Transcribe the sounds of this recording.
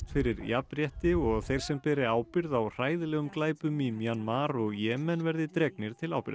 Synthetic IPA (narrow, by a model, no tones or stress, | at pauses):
fɪɾɪɾjapɾjɛht̪ɪɔɣθejɾ̥sɛmpɛːɾɪaːwpɪɾðawr̥aːjðɪlɛːɣʏmklaːjpʏmimjanmaːɾɔɣjɛːmɛnvɛɾðɪt̪ɾɛknɪɾ̥t̪ʰɪla̰wpɪ̰ɾð